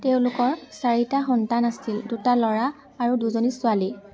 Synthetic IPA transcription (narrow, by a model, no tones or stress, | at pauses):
teʊ̃lʊkɔɹsaɹitaxɔntanasildutalɔɹaː | ɹuduzonisʊali